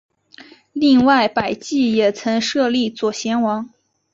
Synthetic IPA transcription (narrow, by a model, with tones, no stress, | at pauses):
li˥˧ŋwa˥˩ɪpa˨˩ɪt͡ɕi˥˩jɛ˨˩t͡sʰɤ˧˥ŋʂɤ˥˧li˥˩t͡swɔ˨˩ɕjɛ˧˥nwɑ˧˥ŋ